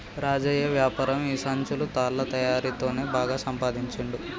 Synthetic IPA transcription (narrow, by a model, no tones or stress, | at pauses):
ɾaːd͡ʒɐjɐʋjaːpaːɾɐmiːsaːɲt͡ʃulut̪aːlːɐt̪ɐjaːɾit̪o̞ːne̞ːbaːɡaːsɐmpaːd̪iɲt͡ʃɐɳɖu